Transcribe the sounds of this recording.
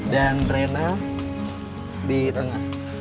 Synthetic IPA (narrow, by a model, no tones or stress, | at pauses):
danrena | dit̪əŋah